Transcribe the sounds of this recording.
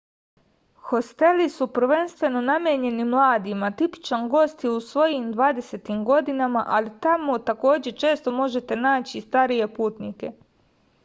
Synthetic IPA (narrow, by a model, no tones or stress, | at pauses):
xo̞st̪e̞lisupr̩ʋe̞nst̪ʋe̞no̞namjeɲe̞nimlˠaːd̪imat̪ipi̥t͡ʃanɡo̞st̪iusʋo̞jimd̪ʋaːd̪e̞se̞t̪imɡo̞d̪inama̰ʔalit̪amot̪ako̞ːd͡ʑe̞t͡ʃe̞ːst̪o̞mo̞ʒe̞t̪e̞naːt͡ɕist̪aɾije̞puːt̪nike̞